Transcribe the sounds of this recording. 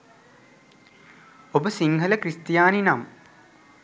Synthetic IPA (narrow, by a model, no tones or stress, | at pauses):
obəsiŋɡʱɐlɐkɾist̪jaːninam